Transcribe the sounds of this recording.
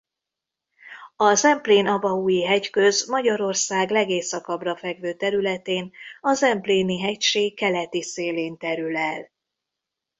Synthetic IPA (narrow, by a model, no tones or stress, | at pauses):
ɒzɛmpleːnɒbɒuːjiɦɛckø̞zmɒɟɒɾo̞rsaːɡlɛɡeːsɒkɒbrɒfɛɡʋøːt̪ɛɾylɛt̪eːnɒzɛmpleːniɦɛcʃeːkːɛlɛt̪iseːleːnt̪ɛɾylɛl